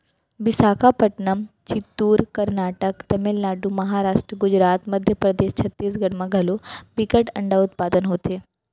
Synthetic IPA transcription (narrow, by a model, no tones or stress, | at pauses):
bɪsaːkʰapəʈnəmt͡ʃit̪ːuːɾkɐɾnaːʈəkt̪ɐmelnaːɖumɐɦaːɾaːʂʈɾəɡʊd͡ʑɾaːt̪mɐd̪ʱjəpɾɐd̪eːʃt͡ɕʰɐt̪ːiːsɡɐɽmãɡʱɐlobikəʈɐɳɖaʊt̪̚paːd̪ənɦoːt̪eː